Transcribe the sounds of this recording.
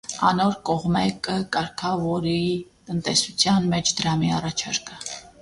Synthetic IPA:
ɑ̰nɔɾkɔʁmɛkəkɑɾkʰɑvɔɾit̪ənt̪ɛsut͡sʰjɑnmɛt͡ʃʰd̪əɾɑmiɑrɑt͡ʃʰɑɾkə

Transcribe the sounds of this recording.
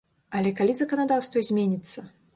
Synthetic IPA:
ɐlʲɛkalʲizɐkɐnad̪awst̪vɐzʲmʲenʲit̪sːɐ

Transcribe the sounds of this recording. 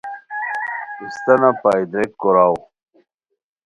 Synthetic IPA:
ist̪ɐnapaid̪ɾekːoɾaw

